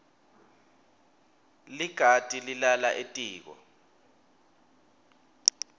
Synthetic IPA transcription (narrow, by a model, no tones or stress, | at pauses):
liɡ̥ʱatʼililalaʔetʼiːk̬ɔ̰